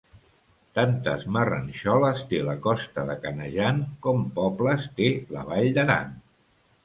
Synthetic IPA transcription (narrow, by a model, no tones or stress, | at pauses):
t̪ant̪əzmərə̰nʲʃɔləst̪eləkɔst̪əðəkənəʒankɔmpɔpləst̪elə̰β̞aʎd̪əɾa̰n